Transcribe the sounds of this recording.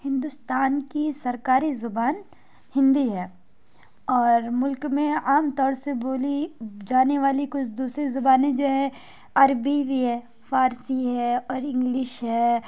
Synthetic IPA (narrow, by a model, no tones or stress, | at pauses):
hɪ̃nd̪ʊst̪aːnkisɐɾkaːɾizʊbaːn | hɪ̃nd̪iɦɛː | ɔːɾmʊlkmẽaːmt̪ɔːɾseboːlid͡ʒaːneʋaːlikʊt͡ʃʰd̪uːsɾezʊbaːnẽd͡ʒoːɦɛ̃ | aːɾbiʋiɦɛː | fʰaːɾsiɦɛɔːɾɪ̃ŋɡlɪʃɦɛː